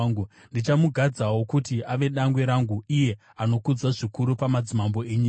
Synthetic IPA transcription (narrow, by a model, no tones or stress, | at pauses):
ɡu | ndit͡ʃamuɡʱad͡zawo̞kutiʔaʋe̞ɗaŋɡwe̞ɾaŋɡuije̞ | ano̞kud͡zaʐikuɾupamad͡zimambo̞eɲiː